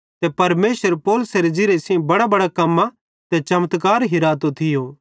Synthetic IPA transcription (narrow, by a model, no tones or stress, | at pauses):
t̪ɛpɐɾmeːsʋəɾpoːlʊseɾed͡ʒɪɾesĩbɐɽabɐɽakɐmːa | t̪ɛt͡ʃɐmət̪kaːɾɦɪɾaːt̪ot̪ʰɪjoː